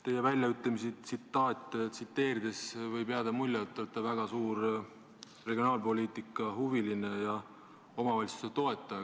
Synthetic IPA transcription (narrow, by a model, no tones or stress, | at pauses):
t̪e̞jevælʲjɑyt̪ːˑemisit̪sit̪ːˑɑːt̪ʲˑːt̪sit̪ːe̞ːɾid̪e̞svɤjbeɑd̪ɑmulʲjɑt̪ːot̪ːˑɑvæɡ̥ɑsuːɾ | re̞ɡio̞nɑːlpo̞lʲiːt̪ˑikːˑɑhuviline̞jɑ | o̞mɑvɑjlʲsu̥set̪o̞e̞t̪ːˑɑ